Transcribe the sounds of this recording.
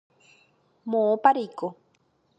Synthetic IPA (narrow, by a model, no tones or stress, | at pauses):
mõõpaɾejko